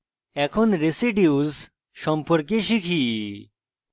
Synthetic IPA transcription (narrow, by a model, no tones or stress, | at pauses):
ɛkʰɔnɾesiɖiuz | ɕɔmpɔɾk̬eɕikʰi